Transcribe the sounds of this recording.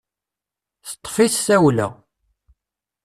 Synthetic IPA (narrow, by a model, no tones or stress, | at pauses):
θə̥t̪ˤːfiθːæwlæ̰